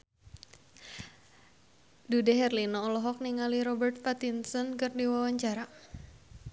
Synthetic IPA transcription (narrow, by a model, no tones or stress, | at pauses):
dudɛɦɛrlinɔːlɔɦɔk̚niŋaliɾɔbərt̪̚pat̪insɔnkɨrdiwawaɲt͡ʃaɾa